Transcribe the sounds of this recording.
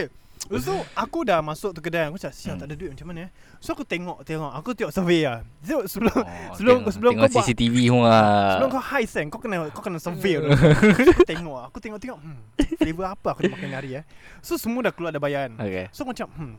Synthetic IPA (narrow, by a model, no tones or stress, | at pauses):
oke | soakudamasʊk̚ʔt̪uk̬ədankumsaʔsiat̪aʔdaduwit̪ʔ̚mat͡ʃamanə | soakut̪eŋɔʔt̪eŋɔʔakut̪iɔʔsəveasəsəbəlomsəbəlmsəbəlʊŋasisit̪ivihuaəəlʊmkahajsɛnkakənakawkənasəve | akut̪eŋɔʔakut̪eŋɔʔt̪eŋɔʔm̩flevəapəakudamakanaɾiasosəmuadahkəluadabajaanokesomat͡ʃamm̩